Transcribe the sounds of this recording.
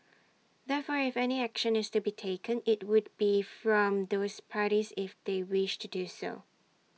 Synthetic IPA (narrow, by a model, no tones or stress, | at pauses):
ðɛfɔɹɪfɛniækʃə̃nɪstubitʰeɪkʰə̃nɪt̚wʊd̚bifɹɔ̃mdospʰaɾizɪfd̪ewɪʃtʰuduso̰